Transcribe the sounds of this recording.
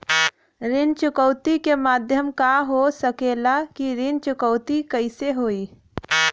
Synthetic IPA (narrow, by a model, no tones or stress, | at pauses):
ɾɪnt͡ʃʊkəʊt̪ikemaːd̪ʱjəmkaɦosəkeːlakiɾɪnt͡ʃʊkəʊt̪ikəɪseɦoːiː